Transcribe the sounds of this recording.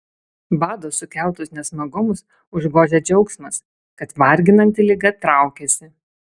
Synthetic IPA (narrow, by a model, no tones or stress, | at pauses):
bɑːd̪oːsʊkʲɛˑlˠˑt̪ʊsnʲɛsmɐɡʊmʊs | ʊʒɡoːʒʲed͡ʒʲɛʊksmɐs | kɐt̪ʋɐɾʲɡʲɪnɐnʲt̪ʲɪlʲɪɡɐt̪ɾɑˑʊkʲeːsʲɪ